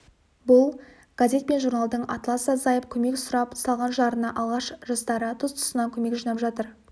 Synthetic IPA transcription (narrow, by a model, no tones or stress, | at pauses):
bʊlˠ | ɡ̥azʲe̞t̪̚pe̞nʒurnalˠd̪əɴɑ̰t̪lˠɑsɑzɑjəp̚kʲʰɵme̞ksʊɾɑpsɑlˠʁɑnʒɑɾənɑʔɑlˠʁɑʃʒɑst̪ɑɾət̪ʰʊst̪ʰʊ̥sənɑŋkʲʰɵme̞kʒinɑpʒɑt̪əɾ